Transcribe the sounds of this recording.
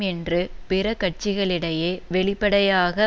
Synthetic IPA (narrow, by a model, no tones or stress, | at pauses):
ɛndrɯpɪɾɐkɐʈ̚t͡ʃɪɣɐɭɪɽɐjeːʋɛɭɪpːɐɽɐjaːɣɐ